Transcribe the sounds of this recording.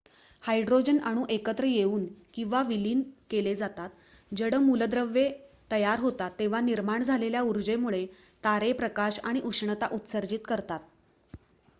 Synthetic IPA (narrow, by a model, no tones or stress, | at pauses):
hajɖɾod͡ʑənaɽ̃ũːʔekət̪ɾəjeuːnkĩw̃ʋaʋiliːnkeled͡zat̪at̪ | d͡ʑəɽəmuləd̪ɾəʋːet̪əjaɾɦot̪at̪ːeʋ̤aniɾmaɳd͡zʱaleljauɾd͡ʑemuɭe | t̪aɾepɾəkaɕaɽ̃iʔuʂɳət̪aʔut̪səɾd͡ʑiːt̪kəɾt̪at̪